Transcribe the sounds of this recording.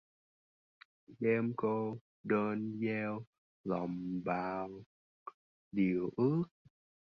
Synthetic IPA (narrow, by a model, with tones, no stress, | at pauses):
ɗɛ˧mko˧ | ɗəː˧nzɛ˧w | lɔ̰˨ŋ͡mɓaː˨˩w | ɗi˨˩əwʔɨ˦˥ək̚